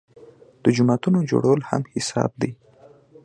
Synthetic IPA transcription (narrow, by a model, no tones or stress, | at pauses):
d̪̥əd͡ʒʊmɑt̪unod͡ʒo̰ɽawəlha̰mhɪsɑ̰b̚d̪ej